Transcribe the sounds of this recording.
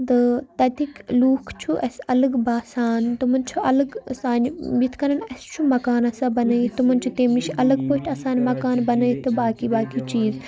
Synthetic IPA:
d̪ɨt̪ɐt̪ʰikluːkʰt͡ʃʰuʔɐsɐlɐɡbaːsaːnt̪umɐnt͡ʃʰuʔɐlɐɡsaːnbit̪ʰkɐnɐnɐst͡ʃʰumɐkaːnɐsãbɐnɐit̪umɐnʲt͡ʃʰut̪eːmiʃʔɐlɐɡpoːiʈʰɐsãːnmɐkaːnbɐnɐit̪ɨbaːkiːbaːkit͡ʃiːz

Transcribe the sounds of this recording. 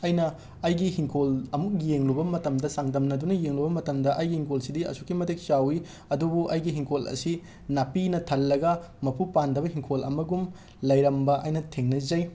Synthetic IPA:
ɐjnɐː | jɡihiŋkʰolɐmuk̚jeŋlubɐmɐtɐmdɐsaŋdɐmnɐdunɐjeŋlubɐmɐtɐmdɐʔɐjɡihiŋkʰolsidiɐ̰sukːimɐtʰek̚t͡ʃawi | ɐdubuʔɐjɡiɦiŋkʰolɐ̰si | napinɐtʰɐlːɐɡɐmɐpʰupandɐβɐɦiŋkʰolɐ̰mɐɡum | lɐjɾɐmbɐʔɐjnɐtʰeŋnɐzɐj

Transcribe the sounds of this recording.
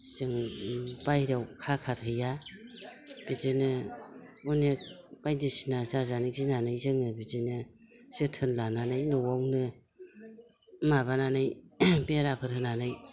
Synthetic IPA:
sɯŋbajɾawkʰakʰathɯja | b̥izinɯ | unek̚b̥ajdisinasazanɯɡzinanɯjzɯŋɯbizinɯ | sɯtʰɯnlananɯjnɔwawnɯ | maβananɯjbeɾapʰɯɾhɯnanɯj

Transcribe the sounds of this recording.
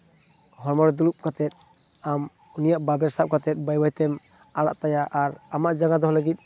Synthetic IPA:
hɔɾmɔɾd̪ulup̚kat̪ɛt̪̚ | am | unijaʔbabɛɾsap̚kat̪ɛt̪̚ˀbajbajt̪ɛm | aɽa̰ʔt̪ajaʔaɾamaʔd͡ʒaŋad̪ɔɦlaɡit̪̚

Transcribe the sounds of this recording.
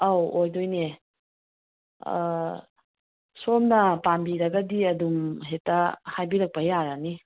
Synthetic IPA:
awojdojne | somnɐpambiɾɐɡɐdiɐdumɦetːɐhajbiɾɐk̚pɐjaɾɐni

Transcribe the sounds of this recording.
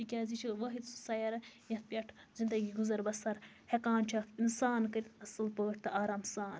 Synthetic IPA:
t̪ikʲaːzit͡ʃʰiʋɐɦit̪su̥saːjɐɾɐjɐt̪̚pʲjɐʈʰzind̪ɐɡiːɡuzɐɾbɐsɐɾ | hekaːnt͡ʃʰakinsaːnkɐɾit̪ɐsɨlpəːʈʰt̪ɨʔaːɾaːmsaːn

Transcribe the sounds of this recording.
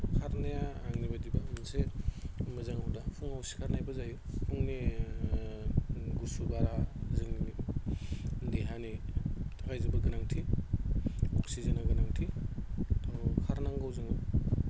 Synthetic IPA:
kʰaɾnajaaŋnibadibamanse | mazaŋawdapʰuŋawsi̥kʰaɾnajbazajipʰuŋni | ɡusubaɾazɯŋ | diɦanitʰakajzibaɡɯnaŋtʰi | ɔksizenaɡɯnaŋtʰi | tʰaŋkʰaɾnaŋɡawzɯŋaw

